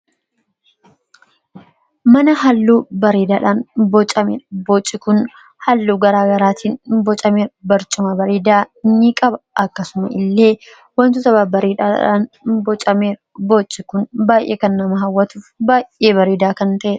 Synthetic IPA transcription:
mɐnɐɦɐlːuːbɐɾiːd̪aːᶑaːnbɔt͡ʃʼɐmeːᶑɐbot͡ʃʼːɪkʊn | hɐlːuːɡɐɾaːɡɐɾaːt̪ʰiːnbɔt͡ʃʼɐmeːɾbɐɾt͡ʃʼʊmɐbɐɾeːd̪aːnikʼɐbɐɐkːɐsʊmɐʔɪlːe̞ː | wɐnt̪ʊsɐbaːbɐɾiːᶑaːᶑa̰ːnbɔt͡ʃʼɐmeːɾ | bot͡ʃʼːɪkʊnbaːjʔeːkɐnːɐmɐɦɐwːɐt̪uːfbaːʔe̞ːbɐɾeːd̪aːkɐnt̪ɐʔeːᶑɐ̥

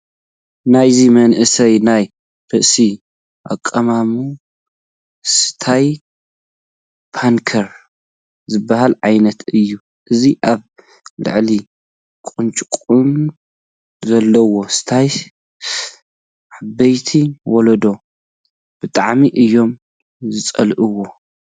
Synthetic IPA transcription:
najzimɐnʔɨsɐjnaj | ɾɨʔsi | ʔa̰kʼːɐmamu | sɨ̥t̪ʰaj | pʰaŋkʰɐɾ | zɨbːaɦalʕajnɐt̪ʰɨjːu | ʔɨziʔaβ | lɨ̰ʕli | kʼunt͡ʃʼkʼun | zɐlːɐwo̞sɨ̥t̪ʰaj | ʕabːɐjt̪ʰiwɔlɐd̪o̞ | b̥ɨt̪ʼaʕmiʔɨjːo̞m | zɨt͡sʼɐ̰lʔɨwo̞

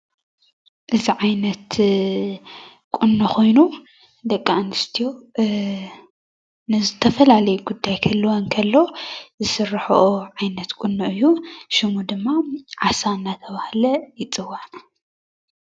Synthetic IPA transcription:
ʔɨziʕajnɐt̪ | kʼʊnːuxʰo̞jnu | d̪ɐkʼːanɨst̪ʰijo̞ | nɨzɨt̪ʰɐfɐlalɐjuɡud̪ːajkʰɐlːɨwonkʰɐlːo̞zɨsɨrːħoʔoʕajnɐt̪kʼʊnːuʔɨjːuʃɪmud̪ɨmːaʕasaɨnːat̪ʰɐβahlɐjɪt͡sʼɨwan

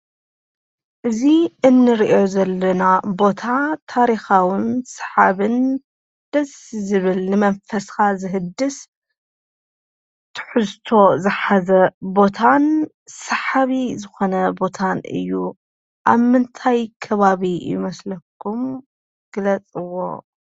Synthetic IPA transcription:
ʔɨziʔɨnːɨɾiʔo̞zɐlːɐnabo̞t̪ʰat̪ʰaɾixawɨnsɐ̥ħaβɨn | d̪̥ɐszɨβɨlnɨmɐnfɐsxazɨɦɨd̪ːɨs | t̪ʰɨ̥ħɨzt̪ʰo̞zɨħazɐbo̞t̪ʰan | sɐħaβizɨxo̞nɐbo̞t̪ʰanʔɨ̰jːu | ʔaβmɨnt̪ʰajkʰɐβaβijɪ̰mɐslɐkʰːum | ɡ̥ɨlɐt͡sʼɨwo̞̰

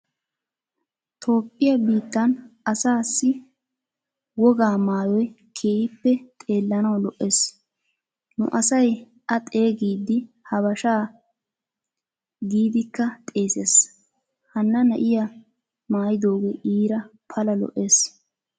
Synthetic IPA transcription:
t̪ʰo̞ːpʼːɪjɐbiːt̪ːɐnɐsaːsːɪ | wɔɡaːmaːjɔj | kʰeːhɪpːɛt̪ʼe̞ːlːɐnɐwlɔʔe̞ːs | nʊ̰ʔɐsɐj | ʔɐt̪ʼe̞ːɡiːd̪ːɪ | hɐβɐʃaː | ɡiːd̪ɪkːɐt̪ʼe̞ːseːs | hɐnːɐnɐʔɪjɐ | maːjɪd̪o̞ːɡeʔiːɾɐpʰɐlɐlɔ̰ʔe̞ːs

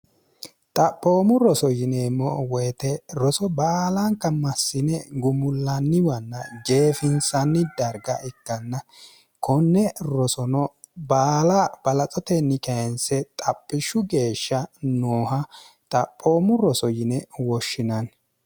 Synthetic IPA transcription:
t̪ʼɐpʼːoːmʊɾɔsɔjɪnɛmːɔwɔjt̪ɛɾɔsɔbaːlɐŋkːɐmɐsːɪnɛɡʊmʊlːɐnːɪwɐnːɐɡe̞ːfɪnsɐnːɪd̪ɐɾɡɐ̰ʔɪkːɐnːɐ | kʰɔnːɛɾɔsɔnɔ | baːlɐb̥ɐlɐt͡sʼɔt̪ɛnːɪkɐjɛnsɛt̪ʼɐpʼːɪʃʊɡe̞ːʃːɐnoːhɐ | t̪ʼɐpʼːoːmʊɾɔsɔjɪnɛwɔʃːɪnɐn

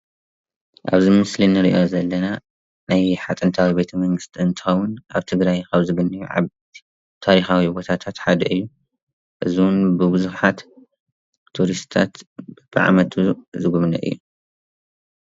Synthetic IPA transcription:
ʔa̰βzimɨslinɨɾḭʔo̞zɐlːɐna | najħat̪ʼɨnt̪ʰawibe̞t̪ʰɐmɐŋɡɨst̪ʰiɨnt̪ʰɨ̥xɐwːʊnʔaβt̪ʰɨɡɾajkʰaβzɨɡɨnːɨjuʕa̰ | t̪ʰaɾixawibo̞t̪ʰat̪ʰat̪ħad̪ɐʔɨjːu | ʔɨziwʊnbɨbɨzuħat̪ʰ | uɾist̪ʰat̪b̥ɨʕa̰mɐt̪ʰuzɨɡuβnɐ̰ʔɨ̰jːu

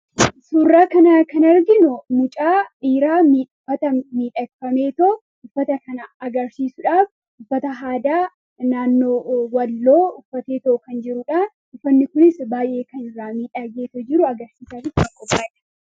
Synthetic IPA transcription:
suːrːaːkɐnɐkɐnɐɾɡɪnʊmʊt͡ʃʼaːʔiːɾaːmiːfɐt̪ɐmiːᶑɐkːɐmeːt̪o | ʊfːɐt̪ɐkɐnɐɐɡɐɾsiːsʊᶑaːf | ʊfːɐt̪ɐɦaːd̪aː | naːnːoːwɐlːo̞ːʊfːɐt̪eːt̪oʔʊkɐnd͡ʒɪɾʊᶑa | ʊfːɐnːɪkʊnɪsbaːjʔe̞ːkɐnɪrːaːmiːᶑɐɡeːt̪ɔd͡ʒɪɾʊɐɡɐɾsiːsaɾɪkɐŋkʼɔpːaːɛᶑɐ̥

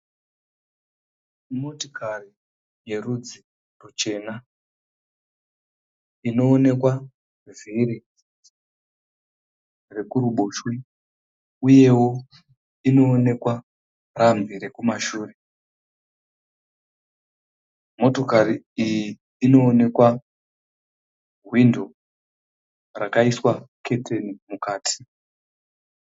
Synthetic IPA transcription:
mo̞to̥kari | je̞rud͡zi | rut͡ʃe̞ːna | ino̞ːne̞kwa | vʱiɾi | re̞kuɾuɓo̞ʃwi | uje̞wo̞ | ino̞ːne̞kwa | rambiɾe̞kumaʃuːre̞ | mo̞to̞kari | ijiː | no̞ːne̞kwa | ɦwindʱo̞ | rakaiswakʰe̞tʰenimukaːtʰi̥

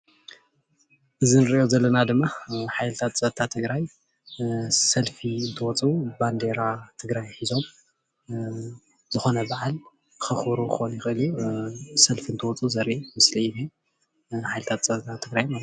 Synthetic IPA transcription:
ʔɨzinɨɾɨʔjo̞zɐlːɐnad̪ɨmːaħajlɨt̪ʰat̪t͡sʼɐt̪ʰat̪ʰɨɡɾaj | sɐlfiɨnt̪ʰɨwɔt͡sʼuband̪eɾat̪ʰɨɡɾajħizo̞m | z̥ɨxo̞nɐbaʕal | xɨxbɾuxonjɪxʔɨljusɐlfiɨnt̪ʰɨwɔt͡sʼuzɐɾʔimɨsliiβe | ħajlɨt̪ʰat̪̚t͡sʼɐt̪ʰat̪ʰɨɡɾajmal

